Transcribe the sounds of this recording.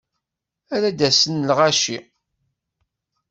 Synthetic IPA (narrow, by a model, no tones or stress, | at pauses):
æɾæd̪æsənlʁæʃi